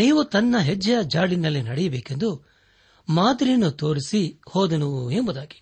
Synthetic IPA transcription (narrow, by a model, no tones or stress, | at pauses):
niːʋut̪ɐnːɐɦed͡ʒɐjɐd͡ʒaːɭinɐlːinɐɽɛjɐbɛːke̞nd̪u | maːd̪iɾinut̪o̞ːɾisihɔːd̪ɐnuʋue̞mbud̪aːɡi̥